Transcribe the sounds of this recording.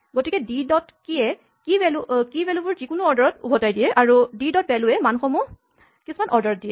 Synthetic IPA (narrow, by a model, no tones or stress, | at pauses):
ɡotikɛdidɔtkiɛ | kibɛlukibɛlubʊɹzikʊnuɔɹdɔɹɔtṵbʱɔtajdijɛʔaɹudidɔt̚bɛlʊɛmanxɔmu | kisumanʔɔɹdɔɹɔt̚dijɛ